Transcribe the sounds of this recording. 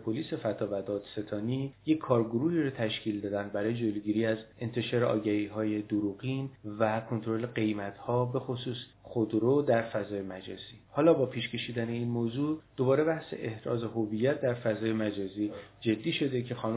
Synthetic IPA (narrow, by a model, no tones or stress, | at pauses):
pʰoliːse̞fæt̪ʰɒːvæd̪ɒːd̪̥se̞t̪ʰɒːniːje̞cʰːɒːɾɡoɾuːhiːɾɒːt̪ʰæʃcʰiːld̪ɒːd̪ænd̪bæɾɒːje̞d͡ʒoloɡiɾiːæze̞nt̪ʰe̞ʃɒːɾeʔɒ̰ːɟæhiːɦɒːje̞d̪oɾuɣinvækʰo̞nt̪ʰoɾo̞le̞ɡe̞jmæt̪ʰhɒːbe̞xosuːsxod̪ɾod̪æɾfæzɒːje̞mæd͡ʒɒ̰ːz̥iːhɒːlɒːbɒːpʰiːʃcʰe̞ʃiːd̪æne̞iːnmoːzuːd̪̥o̞bɒːɾe̞bæhse̞̰ʔehɾɒ̰ːze̞ɦovijːæt̪̚ʰd̪æɾfæzɒːje̞mæd͡ʒɒːziːd͡ʒe̞d̪ːiːʃo̞d̪e̞cʰe̞xɒːn